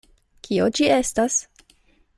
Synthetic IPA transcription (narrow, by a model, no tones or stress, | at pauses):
kʰiod͡ʒie̞stas